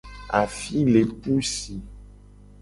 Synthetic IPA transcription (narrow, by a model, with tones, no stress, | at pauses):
a˨fi˦le˨pu˦si˨